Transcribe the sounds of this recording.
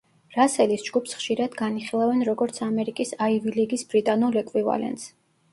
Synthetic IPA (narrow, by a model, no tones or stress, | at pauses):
ɾasɛlisd͡ʒɡupsχʃiɾad̪ɡaniχilˠavɛnɾɔɡɔɾt̪sʰamɛɾikʼisaiviliɡisbɾit̪ʼanɔlɛkʼwiva̰lɛ̰nt̪s